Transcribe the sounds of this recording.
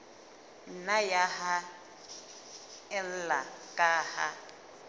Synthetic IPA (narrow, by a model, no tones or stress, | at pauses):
n̩najaha | ɛn̩lakʼaːha